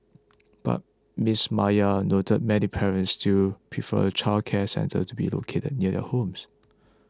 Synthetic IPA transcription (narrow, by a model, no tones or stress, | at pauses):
b̥a̰t̚ | mismajənotəd̚mɛnipʰɛɹə̃ntstʰupʰɹifə̰t͡ʃʰalkʰɛsɛ̰̃ntʰə̰tubḭlo̰kʰetə̰d̚niədɛ̰hõms